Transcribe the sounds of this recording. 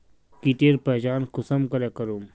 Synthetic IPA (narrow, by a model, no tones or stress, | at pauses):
kit̪eːɾpɛːd͡ʒaːnkʊsəmkɐɾeːkəɾuːm